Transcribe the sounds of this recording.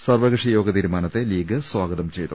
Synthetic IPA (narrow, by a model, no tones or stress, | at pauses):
sɐrʋɐɣʂijo̞ːɡɐt̪iːɾumaːnɐt̪ːe̞liːɡɐswaːɡɐðɐmt͡ɕejt̪ːṵ